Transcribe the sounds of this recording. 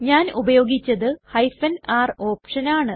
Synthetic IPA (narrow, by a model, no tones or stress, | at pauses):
ɲaːnubɐjo̞ːɡit͡ɕːɐðɨhɐjfɐnaːro̞ːpʂɐnaːɳɨ